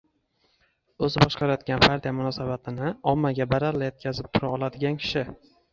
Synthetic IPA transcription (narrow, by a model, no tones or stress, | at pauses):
ɵzɪbɒʃqʰɑɾajɒd̪ɡʲanpʰaɾt̪ʰijamʊnɒsabat̪ʰɪnɪɒmːaɡʲabaɾaɾlajet̪̚kʲʰazɪp̚t̪ʰʊɾaɒlˠad̪ɪɡʲankʲʰɪ̥ʃɪ